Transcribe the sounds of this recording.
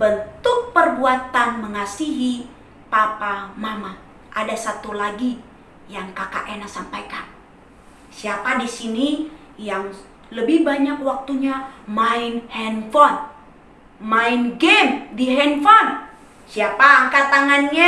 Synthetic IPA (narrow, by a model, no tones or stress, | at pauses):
bənt̪ʊk̚pərbuat̪anməŋasiɦi | papamama | ʔadasat̪ulaɡi | jaŋkaka̰ʔɛnasampajkan | siapadisini | jaŋ | ləbɪhbaɲakwak̚t̪uɲamaɪnhɛnfɔn | maɪnɡemdiɦɛnfɔn | siapaːŋkat̪aŋanɲa